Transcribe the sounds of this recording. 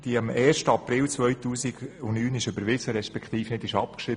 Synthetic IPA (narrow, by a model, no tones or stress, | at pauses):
d̥iɑmɛːɾʃtəɑpɾɪlt͡sʋœjt̪uːsɪɡʊnnyːnɪʃʏbəɾʋɪsəɾɛʃpɛkχt̪iːfnɪdɪʃɑpkʃɾɪ